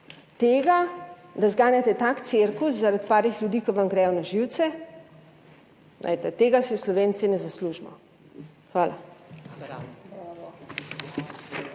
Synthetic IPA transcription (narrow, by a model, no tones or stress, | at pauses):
t̪eːɡad̪azɡaːnjat̪ɛt̪akt̪siɾkuszaɾat̪paːɾixlʲjud̪iːkɔʋamɡɾɛːjɔnaʒiwt̪sɛ | nʔa̰jt̪ɛt̪eːɡasɛwslɔʋeːnt̪sinɛzasluːʒmɔ̰ | xʋaːla̰